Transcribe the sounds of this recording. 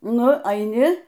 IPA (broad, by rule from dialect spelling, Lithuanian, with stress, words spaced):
ˈnʊ ɐɪˈnʲɪ